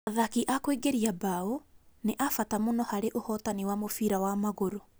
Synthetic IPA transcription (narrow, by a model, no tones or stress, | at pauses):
aðakiʔakweɡeɾiabaoneʔafatamonɔhaɾeʔohɔːtaniwamofiɾawamaɣoɾo